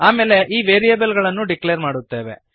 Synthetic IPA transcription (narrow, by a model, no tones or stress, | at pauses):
aːme̞ːle̞ʔiːʋeːɾijeːbɐlɡɐɭɐnːuɖiklejɐɾmaːɽut̪ːe̞ːʋḛ